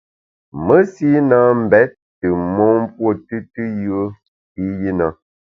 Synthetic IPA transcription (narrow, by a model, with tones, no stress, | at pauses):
mə˦si˦naː˦m̩˨bɛ˨˦t̚ | tɨ˨mɔ˦m˦pwo˦˨tɨ˦tɨ˦jə˦ | i˦ji˦na˨